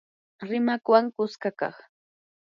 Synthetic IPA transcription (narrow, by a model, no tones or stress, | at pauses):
ɾɪmakwaŋkʊskakɑ̰χ